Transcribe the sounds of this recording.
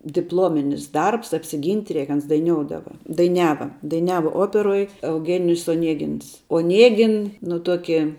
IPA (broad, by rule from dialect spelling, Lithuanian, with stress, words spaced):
dʲɪpˈlˠoːmʲɪnʲɪs ˈdɐrps ɐpʲsʲɪˈɡʲiːnʲtʲ ˈrʲɛɪk ˈɐns dɐɪˈnʲoːʊdɐʋɐ dɐɪˈnʲæːʋɐ dɐɪˈnʲæːʋɐ ˈoːpʲɛroːj ɛʊˈɡʲæːnʲɪjʊs oːˈnʲiɛɡʲɪns oːˈnʲiɛɡʲɪn nʊ ˈtuɔkʲɪ